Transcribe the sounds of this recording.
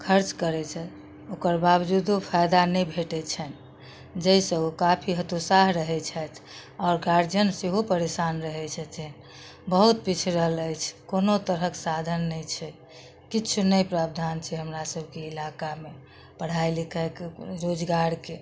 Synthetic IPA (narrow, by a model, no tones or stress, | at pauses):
kʰəɾt͡ʃkəɾɛt͡ʃʰɛ | okəɾbabd͡ʒud̪opʰajd̪anɛjbʱeʈɛt͡ʃʰɛn | d͡ʒəisə̃okapʰiɦət̪usaɦɾəɦɛt͡ʃʰɛt̪ʰɔːɾɡaɾd͡ʒənseɦopəɾesanɾəɦɛt͡ʃʰɛt͡ʃɛn | bəɦut̪̚pit͡ʃʰɾəɦələjt͡ʃʰkonot̪əɾɦəksad̪ʱənːɛjt͡ʃʰɛ | kit͡ʃʰunəjpɾab̚d̪ʱant͡ʃʰɛɦəmɾasəbʱkeːlakame | pəɽ̤aɪlikəekɾod͡ʒɡaɾke